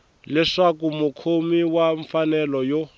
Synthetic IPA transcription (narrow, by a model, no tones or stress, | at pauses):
lɛʂakumukʰomiwaɱfanɛlɔjo